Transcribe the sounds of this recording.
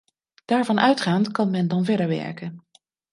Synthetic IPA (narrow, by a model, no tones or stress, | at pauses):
d̥aːɹvɑnʔœɥtχaːntkɑnmɛndɑnvɛɹdəɹʋɛ̰ɹkən